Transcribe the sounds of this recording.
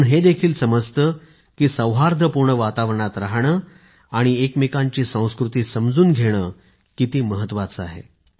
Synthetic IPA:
nɦed̪ekʰiːlsəməd͡zt̪əː | kiːsəwɦaɾd̪ʱəpuɾɳəʋat̪aʋɾəɳat̪ɾaɦɳ̃əː | aɽ̃iekmekaɲt͡ɕiːsə̃w̃skɾut̪iːsəmd͡zuːnɡʱeɽ̃əː | kit̪iːməɦət̪ːʋat͡səaɦḛ

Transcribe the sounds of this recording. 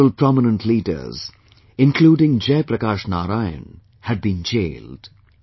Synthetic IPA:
əlpɾɔmɪnə̃nʈʰliːdə̰ɾz̥ | ɪ̃nkʰluːɖɪ̃ŋd͡ʒepɾəkaːʃnaːɾaɪə̰̃n | hɨɖ̚bĩnd͡ʒḛːld̥

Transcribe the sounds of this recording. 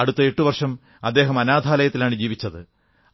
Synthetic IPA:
ɐɽut̪ːɐeʈːuʋɐrʂɐm | ɐd̪ːe̞ːɦɐmɐnaːd̪ʱaːlɐjɐt̪ːilaːɳɨd͡ʑiːʋit͡ɕːɐðɨ

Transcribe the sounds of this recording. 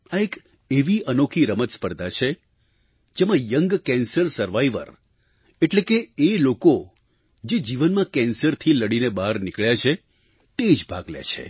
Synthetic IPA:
aek | eʋiʔənokʰiɾəmət̪spəɾd̪ʱat͡ʃʰe | d͡ʒemãjəŋɡkɛnsəɾsəɾʋaiʋə̰ɾ | eʈlekeeloko | d͡ʒed͡ʒiʋənmãkɛnsəɾt̪ʰiləɽinebaɾnikɭjat͡ʃʰe | t̪ed͡ʒbʱa̰ɡljḛt͡ʃʰḛ

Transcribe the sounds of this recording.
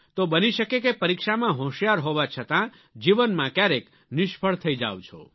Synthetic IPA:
t̪obəniʃəkekepəɾikʃamãɦõʃjaɾɦoʋat͡ʃʰət̪ã | d͡ʒiʋənmãkjaɾek | nɪʃpʰəɭt̪ʰəid͡ʒa̰ʋt͡ʃʰo̰

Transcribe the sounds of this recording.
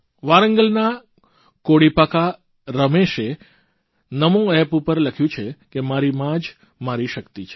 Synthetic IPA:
ʋaɾəŋɡəlna | koɽipaka | ɾəmeʃe | nəmũɛpupəɾləkʰjũt͡ʃʰekemaɾimãd͡ʒ | maɾiʃəkt̪it͡ʃʰe̥

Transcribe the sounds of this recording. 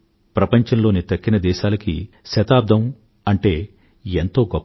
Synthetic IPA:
pɾɐpɐɲt͡ʃɐnlo̞ːnit̪ɐkːinɐd̪ɛːʃaːlɐkḭ | ʃɐt̪aːb̚d̪ʱɐm | ɐɳʈe̞ː | ent̪o̞ːɡɔpː

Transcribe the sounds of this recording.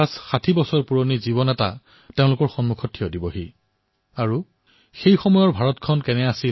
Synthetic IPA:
asxatʰibɔsɔɹpuɹoniziβɔnɛta̰ | teʊ̃lʊkɔɹxɔnmukʰɔtʰːiɔdibɔɦi | aɹu | xejxɔmɔjɔɹbʱaɹɔtkʰɔnkɛnɛasi

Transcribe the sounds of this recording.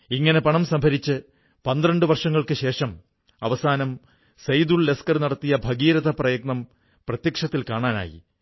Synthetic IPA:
iŋːɐne̞pɐɳɐmsɐmbʱɐɾit͡ɕːɨ | pɐnd̪rɐɳɖɨʋɐrʂɐŋːɐɭkɨɕe̞ːʂɐm | ɐ̰ʋɐsaːnɐm | sɐjd̪uɭleskɐrnɐɽɐt̪ːijɐbʱɐɡiːɾɐðɐprɐjɐɡ̚nɐm | prɐt̪jɐkʂɐt̪ːilkaːɳaːna̰ːjḭ

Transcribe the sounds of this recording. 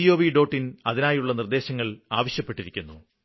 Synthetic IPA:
ijo̞ːʋiɖo̞ːʈːinɐðinaːjuɭːɐnird̪e̞ːɕɐŋːɐɭaːʋɐɕjɐpːe̞ʈːiɾikʲːunːu

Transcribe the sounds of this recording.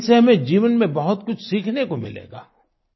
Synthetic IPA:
seɦɐmẽd͡ʒiːʋənmẽbɐɦʊt̪kʊt͡ʃʰsiːkʰnekomɪ̰lḛːɡa̰ː

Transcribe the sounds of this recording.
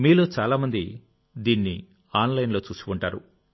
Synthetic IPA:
miːloːt͡ʃaːlaːmɐnd̪i | d̪iːnːi | aːnlɐjnlo̞ːt͡ʃuːsi̥kuɳʈaːɾṵ

